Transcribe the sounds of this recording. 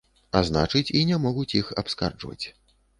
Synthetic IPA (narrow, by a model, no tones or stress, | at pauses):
azna̰t͡ʂɨt͡sʲinʲɛmɔɣut͡sʲjixapska̰rd͡ʐvɐ̰t͡sʲ